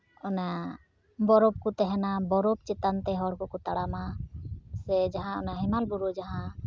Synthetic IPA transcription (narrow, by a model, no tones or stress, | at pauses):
ɔna | bɔɾɔp̚kut̪ɛɦɛnabɔɾɔb̚t͡ʃɛt̪ant̪ɛɦɔɽkɔkut̪aɽama | sɛd͡ʒaɦãɔnaɦɛmalbuɾud͡ʒaɦã